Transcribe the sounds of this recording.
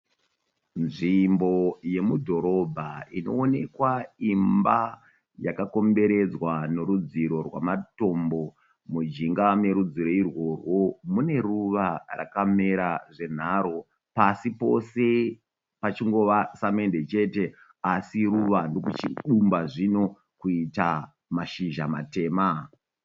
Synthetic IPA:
nʐimbo̞je̞mudʱo̞ɾo̞bʱaino̞̰ːne̞kwaimba | jakako̞mbe̞ɾe̞d͡zwano̞ɾud͡ziɾo̞rwa̰mato̞mbo̞ | mud͡ʒiŋɡame̞ɾud͡ziɾo̞irwo̞rwo̞mune̞ruʋara̰kame̞ɾaʐe̞n̤aɾo̞ | pasipo̞̰se̞ | pat͡ʃiŋɡo̞ʋasame̞nde̞t͡ʃe̞te̞ | asiɾuʋandokut͡ʃiɗumbaʐino̞ | kuita | maʃiʒama̰te̞ːma

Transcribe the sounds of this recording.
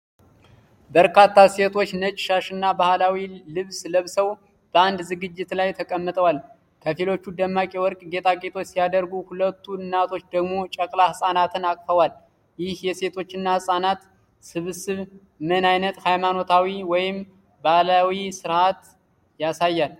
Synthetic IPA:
bəɾkʰat̪ʰːase̞t̪ʰo̞t͡ʃːnət͡ʃʼɪ̥ʃaʃɨnːabahlawilɨβsləβsəw | b̥əand̪zɨɡɨd͡ʒːɪt̪lajt̪ʰəkʼəmːɨt̪ʼəwal | kʰəfilo̞t͡ʃːud̪əmːakʼiwɔɾkʼɡe̞t̪ʼaɡʼe̞t̪ʰo̞t͡ʃːsijad̪əɾɡuhulət̪ʰːuɨnːat̪ʰo̞t͡ʃːd̪əɡmo̞t͡ʃʼəkʼlahɨsʼanat̪ʰɨnakʼfəwal | jɪhjɛse̞t̪ʰo̞t͡ʃːɨnːahɨsʼanat̪ | sɨβɨsɨβ | mənajnət̪hajmano̞t̪ʰawiwɔjɪm | bahlawisɨɾat̪ | jasajːal

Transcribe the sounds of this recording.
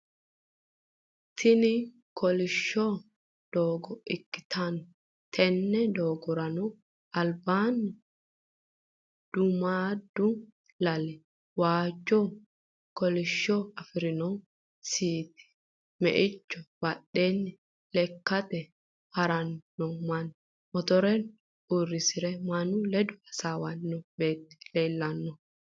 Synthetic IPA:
t̪ʰɪnɪ | kʰɔlɪʃːɔ | d̪̥oːɡɔʔɪkːɪ̥t̪ʰɐn | t̪ʰɛnːɛd̪oːɡɔɾɐnɔ | ɐlbaːnː | d̪̥ʊmaːd̪ːʊ | lɐlɛ | waːd͡ʒːɔ | kɔlɪʃːɔɐfɪɾɪnɔ | siːt̪ɪ̥ | mɛ̰ʔɪt͡ʃːɔwaɗːenːɛ | lɛkːɐt̪ɛ | hɐɾɐnːɔmɐn | mɔt̪ɔɾɛn | urːɪsɪɾɛmanulɛd̪ʊɐsaːwɐnːɔbeːt̪ːi̥leːlːɐnːɔ

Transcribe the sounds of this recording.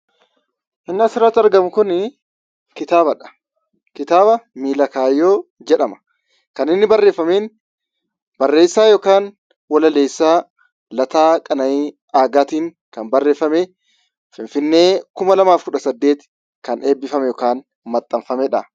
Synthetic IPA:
ʔɪnːɪɐsɪɾɐt̪ːɐɾɡɐmʊkʊn | kɪt̪aːbɐᶑɐ̥ | kɪt̪aːbɐmiːlɐkaːjːoːd͡ʒɛᶑɐmɐ̥ | kɐnɪnːɪbɐrːe̞ːfːɐmeːn | bɐrːe̞ːsːaːjoːkaːn | wɐlɐleːsːaː | lɐt̪aːkʼɐnɐiː | aːɡaːt̪iːŋ | kɐnbɐrːe̞ːfɐme | fɪnfɪnːe̞ːkʊmɐlɐmaːfkʊᶑɐsɐd̪ːe̞ːt̪ | kɐnʔe̞ːbːɪfɐmɛjoːkaːn | mɐt̪ʼːɐɱfɐmɛᶑɐ

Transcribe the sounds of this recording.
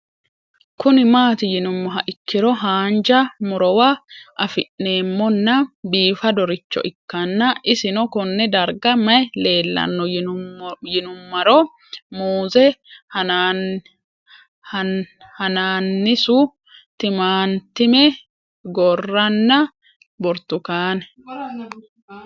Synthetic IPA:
kʊnɪmaːt̪ɪjɪnʊmːɐɦɐʔɪkːɪɾɔɦaːnd͡ʒɐmʊɾɔwɐʔɐfɪʔne̞ːmːɔnːɐbiːfɐd̪ɔɾɪt͡ʃːɔ̰ʔɪkːɐnːɐʔɪsɪnɔkɔnːɛd̪ɐɾɡɐmɐjle̞ːlːɐ̰nːɔ | jɪnʊmːɐɾɔ | muːzɛh | hɐnaːnːɪsʊ | t̪ɪmaːnt̪ɪmɛ | ɡɔrːɐnːɐ | bɔɾt̪ʊkaːnɛ

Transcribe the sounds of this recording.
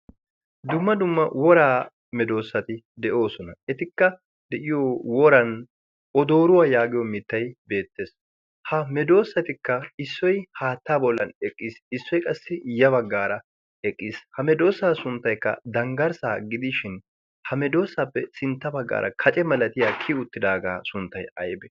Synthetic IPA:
d̪ʊmːɐd̪ʊmːɐwɔɾaː | mɛd̪o̞ːsːɐt̪ɪ | d̪ɛʔo̞ːsɔnɐɛt̪ɪkːɐ | d̪ɛʔɪjoːwɔɾɐn | ɔd̪o̞ːɾʊwaːjaːɡɪjɔmɪt̪ːɐjbe̞ːt̪ːe̞ːs | hɐmɛd̪o̞ːsːɐt̪ɪkːɐɪsːɔjhaːt̪ːaːbɔlːɐnɛkʼːisɪsːɔjkʼɐsːɪjɐβɐɡːaːɾɐ | ɛkʼːiːshɐmɛd̪o̞ːsːaːsʊnt̪ːɐjkːɐ̰d̪ɐŋɡɐɾsaːɡɪd̪ɪʃɪn | hɐmɛd̪o̞ːsːapːɛsɪnt̪ːɐbɐɡːa̰ːɾʔɐ̰kʰɐt͡ʃʼɛmɐlɐt̪ɪjaːkʰɪʊt̪ːɪd̪aːɡaːsʊnt̪ːɐjɐjbɛ

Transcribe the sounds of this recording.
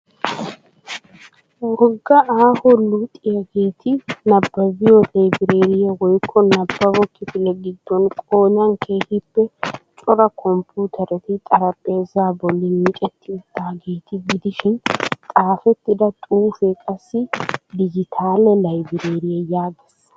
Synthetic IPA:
wɔɡːɐaːhɔlut̪ʼɪjɐɡe̞ːt̪ɪnɐbːɐbɪjɔlɐjbɪɾe̞ːɾɪjɐwɔjkʰːɔnɐbːɐbɔkːɪfɪlɛɡɪd̪ːɔnkʼo̞ːɲɐnkʰe̞ːhɪpːɛt͡ʃʼɔɾɐkʰɔmpʰuːt̪ʰɐɾɛt̪ɪt̪ʼɐɾɐpʼːe̞ːzaːbɔlːɪmiːt͡ʃʼɛt̪ʰːɪt̪ːaːɡe̞ːt̪ʰɪɡɪd̪ɪʃɪnt̪ʼaːfɛt̪ːɪd̪ɐt̪ʼuːfɛkʼɐsːɪd̪ɪd͡ʒɪt̪ʰaːlɛlɐjbɪɾe̞ːɾɪjɛjaːɡɛsːɐ̥

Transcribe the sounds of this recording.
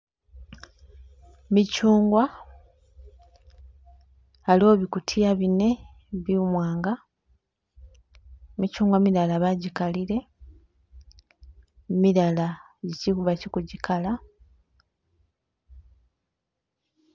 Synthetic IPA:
micuːŋɡwa | lo̞βikutʰijaβine̞ | βiumwaːŋɡa | micuːŋɡwamiɾalaβaɟikaliɾe̞ | miɾala | ɟicikuβacikuɟikʰala

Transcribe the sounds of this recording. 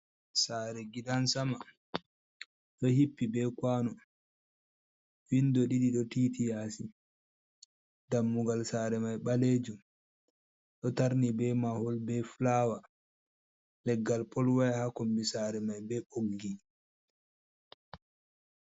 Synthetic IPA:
saːɾɛɡidansama | ɗɔhipːibɛkwaːnɔ | windɔɗiɗiɗɔtitijasi | damːuɡalsaːɾɛmajɓaled͡ʒu | ɗɔtaɾnibɛmahɔlbɛflaːwa | lɛɡːalpʰɔlwajhakombisaːɾɛmajbɛʔoɡːi

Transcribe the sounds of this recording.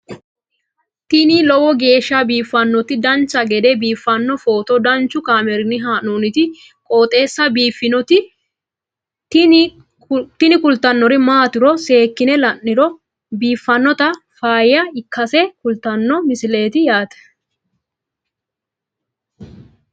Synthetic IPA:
t̪ɪnilɔwɔɡe̞ːʃːɐbiːfːɐnːɔt̪ɪd̪ɐnt͡ʃːɐɡɛd̪ɛbiːfːɐnːɔfo̞ːt̪ɔd̪ɐnt͡ʃːʊkʼaːmɛɾɪnɪɦaːnoːnɪt̪ɪ | kʼo̞ːt̪ʼe̞ːsːɐbiːfːɪnɔt̪ɪ | t̪ɪnɪkʊlt̪ːɐnːɔɾɪmaːt̪ɪɾɔse̞ːkːɪnɛlɐnːɪɾɔ | biːfːɐnːɔt̪ɐ | faːjɐɪkʰːɐsɛkʊlt̪ɐnːɔmɪsɪle̞ːt̪ɪjaːt̪ɛ̥

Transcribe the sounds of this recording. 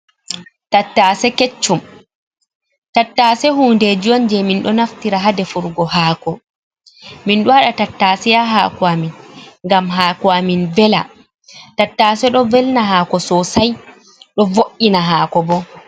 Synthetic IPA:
tatːasɛket͡ʃːum | tatːaːsɛhuːnded͡ʒiɔnd͡ʒɛminɗɔnaftiɾaɦadɛfuɾɡɔhaːkɔ | minɗɔaɗatatːasɛjaɦa̰ːkuaminŋɡamɦaːkuaminvɛla̰ | tatːaːsɛɗɔvɛlnaɦaːkɔsɔsaj | ɗɔvoʔːinaɦaːkɔbɔ

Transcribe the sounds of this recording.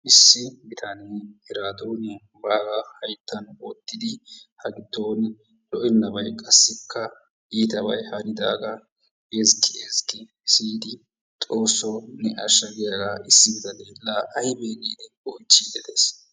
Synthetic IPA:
ʔɪsːɪbɪt̪ʰɐneːhɛɾaːd̪oːn | baːɡɐhɐjt̪ːɐnɔt̪ːɪd̪ɪhɐɡɪt̪ːo̞ːn | lɔʔɪnːɐbɐjkʼɐsːɪkʰːɐ | iːt̪ɐbɐ̰jhɐɾɪd̪a̰ːɡɐ | ezkːɪezkːɪ | siːd̪ɪ | t̪ʼo̞ːsːonɛʔɐ̰ʃːɐɡɪjaɡaɪsːɪbɪt̪ɐneːlːaːʔɐjbeːɡiːd̪ɛ | ɔjt͡ʃːiːd̪ɛd̪eːs

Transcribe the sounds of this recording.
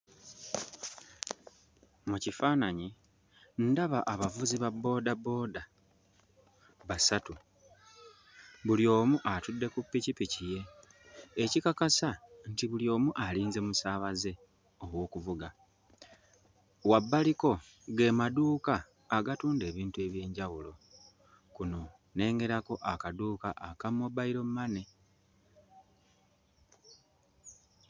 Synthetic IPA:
mucifaːnaɲi | ndaβaʔaβavuziβabːo̞ːdabːo̞ːda | βasatu | βuljo̞ːmuʔatudːe̞kupːicipicije̞ː | cikakasantiβuljo̞ːmuʔaliːnze̞musaːβaze̞ | o̞βwo̞ːkuvuɡa | wabːaliko̞ | ɡe̞ːmaduːkaː | ɡatuːnde̞ːβiːntue̞βje̞ːɲɟawulo̞ | kuno̞ | ne̞ːŋɡe̞ɾako̞ʔakaduːkaʔakamːobaiɾo̞mumane̞

